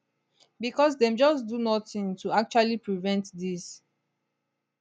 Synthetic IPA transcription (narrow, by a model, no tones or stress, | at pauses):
bikɔsdɛ̃md͡ʒɔsdunɔθĩŋtʰuak̚t͡ʃualipɹivɛ̃ntdis